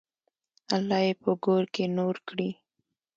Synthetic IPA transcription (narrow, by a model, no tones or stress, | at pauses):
alːɑjepəɡoɾkenoɾkɽi